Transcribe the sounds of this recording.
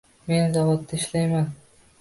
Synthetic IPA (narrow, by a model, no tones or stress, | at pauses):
me̞nzavɒt̪ːaɪʃlajman